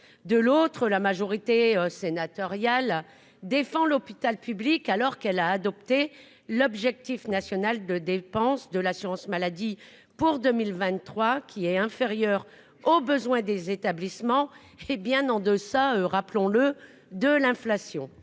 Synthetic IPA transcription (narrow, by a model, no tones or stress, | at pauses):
d̪əlot̪χəlamaʒɔʁit̪eøsenat̪ɔʁjal | d̪efɑ̃lɔpit̪alpyblikalɔʁkɛlaːd̪ɔp̚t̪e | lɔbʒɛk̚t̪ifnasjɔnald̪əd̪epɑ̃sd̪əlasyʁɑ̃smalad̪i | puʁd̪əmilvɛ̃t̪ːχwakʲʰiɛɛ̃feʁjœʁ | obəzwɛ̃d̪ezet̪ablismɑ̃ | ebjɛ̃nɑ̃d̪əsaøʁaplɔ̃lə | d̪əlɛ̃flasjɔ̃